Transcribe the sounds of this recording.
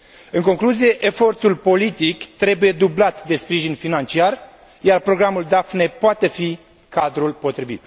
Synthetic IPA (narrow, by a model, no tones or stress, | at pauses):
ɨŋko̞ŋkluzije̞ʔefo̞rt̪ulpo̞lit̪ikt̪ɾe̞buje̞d̪ublat̪d̪e̞spɾiʒinfinant͡ʃiar | jarpɾo̞ɡɾamuld̪afne̞poat̪e̞fi | kad̪ɾulpo̞t̪ɾivḭt̪̚